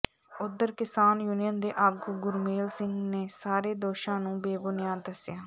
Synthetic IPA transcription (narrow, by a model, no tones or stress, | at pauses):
ʊd̪ːəɾkɪsaːnjuːnɪjənd̪eːʔaːɡuɡʊɾmeːlsɪŋɡneːsaːɾeːd̪oːʃãːnũːbeːbʊnɪjaːd̪əsjaː